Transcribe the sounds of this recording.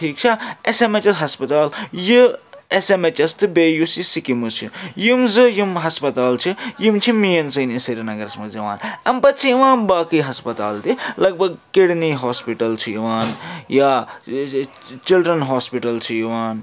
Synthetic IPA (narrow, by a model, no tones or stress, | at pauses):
ʈʰiːk̚t͡ʃʰɐesemet͡ʃɐsɦɐspɐt̪aːljiesemet͡ʃɐst̪ɨbeːjusisikimusʰḭjimzɨjimɦɐspɐt̪aːlt͡ʃʰijimt͡ʃʰimijɐnsɐːnisiɾʲinɐɡɐɾɐsmɐzɐʋa̰ːnɐmpɐt̪̚t͡ʃʰijiʋaːnbaːkiɦɐspɐt̪aːlt̪ilɐɡ̚bʱɐɡkeɽniɦoːspiʈɐlt͡ʃʰijiʋaːnja | t͡ʃilɖɾɐnɦoːspiʈɐlt͡ʃʰijiʋaːn